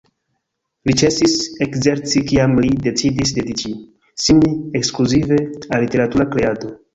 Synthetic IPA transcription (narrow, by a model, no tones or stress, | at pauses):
lit͡ʃe̞sise̞kze̞ɾt͡sikiamlide̞t͡sidisde̞dit͡ʃi | simiekskluzive̞alite̞ɾatuɾakɾe̞ado̞